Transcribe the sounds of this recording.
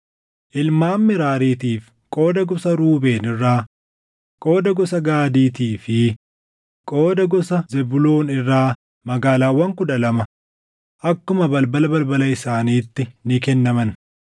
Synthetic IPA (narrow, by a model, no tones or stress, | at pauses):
ʔɪlmaːmːɪɾaːɾiːt̪iːf | kʼo̞ːd̪ɐɡɔsɐɾuːbe̞ːnɪrːaː | kʼo̞ːd̪ɐɡɔsɐɡaːd̪iːt̪iːfɪ | kʼo̞ːd̪ɐɡɔsɐzɛbʊlo̞ːnɪrːaː | mɐɡaːlaːwːɐŋkʊᶑɐlɐmɐ | ʔɐkːʊmɐbɐlbɐlɐbɐlbɐlɐɪsaːniːt̪ːɪnɪkɛnːɐmɐn